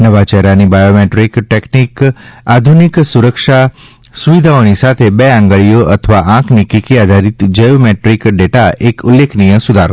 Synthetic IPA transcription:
nəʋat͡ʃɛɦɾanibajomeʈɾikʈeknikad̪ʱuniksuɾəkʃa | suʋid̪ʱaonisat̪ʰebeãŋɡəɭijoʔət̪ʰəʋaʔãknikikiad̪ʱaɾit̪d͡ʒəjomeʈɾikɖeʈaekulːekʰnijəsud̪ʱaɾo̰

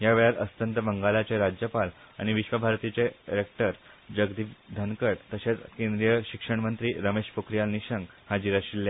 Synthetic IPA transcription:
jaʋeɭjaɾəst̪ənt̪əbəŋɡalat͡ɕeɾad͡ʑjəpal | a̰ɽ̃iʋiɕʋəbʱaɾt̪it͡ɕeɾek̚ʈəɾ | d͡ʑəɡd̪iːpd̪ʱənkəɽt̪əɕet͡skẽnd̪ɾijəɕikʂəɳ̃mənt̪ɾiːɾəmeɕpokɾijalniɕəŋɡ | had͡ʑiɾaɕilːja

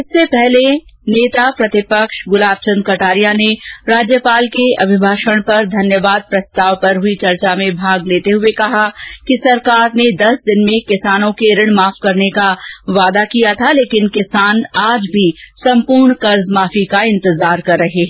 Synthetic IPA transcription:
ɪsːepɛɦleneːt̪apɾɐt̪ɪpəkʃɡʊlaːb̚t͡ʃə̃nd̪̚kɐʈaːɾijaneɾaːd͡ʒjəpaːlkeɐ̰bʱɪbʱaːʃəɽ̃pɐɾd̪ʱɐnjəʋaːd̪̚pɾɐst̪aːʋpɐɾɦʊit͡ʃɐɾt͡ʃamẽbʱaːɡleːt̪eɦʊekɐɦakisɐɾkaːɾned̪ɐsd̪ɪnmẽkɪsaːnõkeɾɪɽ̃maːfkɐɾnekaʋaːd̪akijat̪ʰaleːkɪnkɪsaːnaːd͡ʒbʱisɐ̃mpʊːɾɳkɐɾzmaːfikaɪ̃nt̪ɪzaːɾkɐɾːɐɦeɦɛ

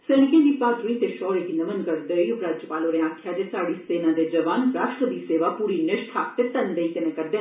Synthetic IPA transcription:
seːñɪkẽd̪ipaːd̪ɾuiːt̪eʃɔːɾekinɐʋənkəɾd̪ejʊkɾaːd͡ʒəpaːloɾeaːkʰːjaːd͡ʒesaːɽiːseːnãːd̪ed͡ʒɐʋaːnpɾaːʃʈɾəd̪iːseːʋapuːɾinɪʃʈʰaːkt̪et̪ənd̪eik̪ɐnẽkəɾd̪eː

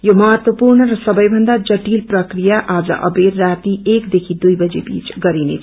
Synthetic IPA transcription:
jomʌɦʌt̪wʌpuɾɳʌɾʌsʌbʌjbʱʌnd̪ad͡ʒʌʈilprʌkɾijaʔad͡zʌ̰ʔʌ̰beɾːat̪iekd̪ekʰid̪ujbʌd͡ʒebḭt͡ʃɡʌɾinḛt͡sʰ

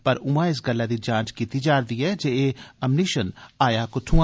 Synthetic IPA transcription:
pɐɾʊmãɪs̬ɡɐlːad̪id͡ʒãːt͡ʃkiːt̪id͡ʒaːɾd̪iɛːd͡ʒeeɐmniʃənaːjakʊt̪ʰu

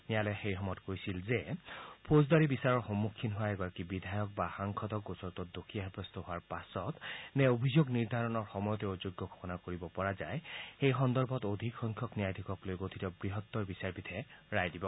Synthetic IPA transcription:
nijalɛxejɦɔmɔtkojsilzɛpʰozdaɹibisaɹɔɹxɔmːukʰːinɦʊaɛɡɔɹakibid̪ʱajɔk̚baxaŋkʰɔtɔk̚ɡosɔɹtɔtdokʰiaɦɛbɹɔstɔɦʊaɹpasɔtnɛobʱizoɡniɹd̪ʱaɹɔnɔɹxɔmɔjɔtɛozuɡːɔɡʰʱɔ̥xɔnakoɹibɔpɔɹazajxejxɔndɔɹbʱɔtod̪ʱikxɔŋkʰɔknijajd̪ʱikɔklojɡotʰitɔbɹiɦɔt̪ːɔɹbisaɹbitʰɛɹajdibɔ

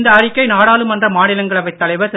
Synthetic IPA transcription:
nd̪ɐːrɪkːɐɪnaːɽaːlɯmɛndrɐmaːnɪlɐŋɡɐɭɐʋɐɪt̪ːɐlɐɪʋɐɾs

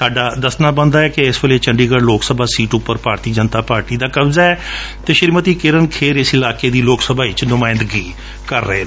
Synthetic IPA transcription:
saːɖaːd̪əsnaːbənd̪aːɛːkɪɪsʋeːleːt͡ʃəɳɖiːɡəɽloːksəbaːsiːʈʊpːəɾpaːɾt̪iːd͡ʒənt̪aːpaːɾʈiːd̪aːkəbzaːɛːt̪eːʃɪɾmət̪iːkɪɾənkʰeːɾɪsɪlaːkeːd̪iːloːksəbaːɪt͡ʃnʊmaːɪ̃nd̪ɡiː | kəɾːəɦeː

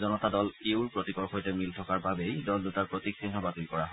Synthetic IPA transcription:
zɔnɔtadɔleʊɹpɹotikɔɹxojtɛmiltʰɔkaɹbabejdɔldutaɹpɹotiksinɦɔbatilkɔɹaɦ

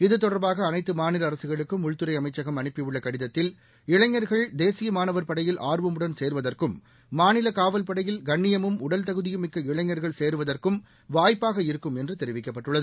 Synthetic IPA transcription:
ɪðɯt̪ɔɽɐɾbaːɣɐːnɐɪt̪ːɯmaːnɪlɐːɾɐsɯɣɐɭɯkːɯmʊɻt̪ɯɾɐɪɐmɐɪt͡ʃːɐɣɐmɐnɪpːɪɯɭːɐkɐɽɪðɐt̪ːɪl | ɪɭɐɲːɐɾɣɐɭd̪eːsɪjɐmaːnɐʋɐɾpɐɽɐjɪlʔaːrʋɐmɯɽɐnseːɾɯʋɐðɐrkɯmː | aːnɪlɐkaːʋɐlpɐɽɐjɪlɡɐɳːɪjɐmɯmʊɽɐlt̪ɐɣɯðɪjɯmɪkːɐɪɭɐɲːɐɾɣɐɭseːɾɯʋɐðɐrkɯm | ʋaːjpːaːɣɐɪɾɯkːɯmɛndrɯt̪ɛɾɪʋɪkːɐpːɐʈːɯɭːɐðɯ

